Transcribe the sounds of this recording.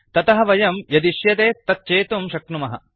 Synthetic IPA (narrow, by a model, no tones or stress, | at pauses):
t̪ɐt̪ɐɦɐ̆ʋɐjɐmjɐd̪iʃjɐt̪eːt̪ːɐt̪ːt͡ʃeːt̪umʃɐkɳumɐɦɐ̰